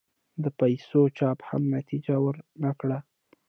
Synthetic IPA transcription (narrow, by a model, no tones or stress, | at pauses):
d̪əpajsot͡ʃɑpha̰mnat̪id͡ʒawəɾnakɽa